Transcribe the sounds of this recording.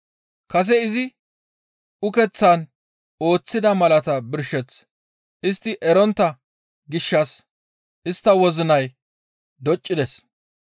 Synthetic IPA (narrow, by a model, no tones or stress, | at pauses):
kɐs̬ɛɪzɪ | ʊkɛt͡sːɐn | o̞ːt͡sːɪd̪ɐmɐlɐt̪ɐbɪɾʃɛt͡s | ʔɪst̪ːɪʔɛɾɔnt̪ːɐ | ɡɪʃːɐs | ʔɪst̪ːɐwɔzɪnɐj | d̪ɔt͡ʃʼːɪd̪ɛs